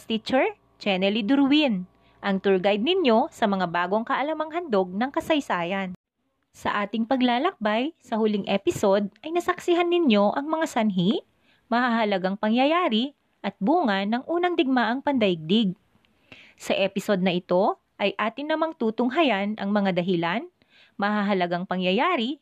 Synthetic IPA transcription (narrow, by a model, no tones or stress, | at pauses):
t̪it͡ʃɛɹ | t͡ʃɛnɛlid̪ʊɾwin | ʔɐŋt̪ʊɹɡajd̪̚nɪnjo̞sɐmɐŋabaːɡo̞ŋkɐʔɐlɐmɐŋɦɐnd̪o̞ɡ̚nɐŋkɐsɐjsaːjɐn | sɐ̰ʔaːt̪ɪŋpɐɡlaːlɐk̚bajsɐhʊlɪŋʔɛpɪso̞d̪̚ʔɐjnɐsɐksɪɦanːɪnjo̞ʔɐŋmɐŋasɐnɦi | mɐhahɐlɐɡaŋpɐŋjɐjaːɾɪ | ʔɐt̪̚buːŋɐnːɐŋʔuːnɐŋd̪ɪɡ̚maʔɐŋpɐnd̪ɐʔɪɡ̚d̪ɪɡ̚ | sɐʔɛpɪso̞d̪̚nɐʔɪt̪o̞ | ʔɐjʔaːt̪ɪnɐmaŋt̪uːt̪ʊŋɦɐjanʔɐ̰ŋmɐŋad̪ɐɦɪlan | mɐɦaɦɐlɐɡaŋpɐŋjɐjaːɾɪ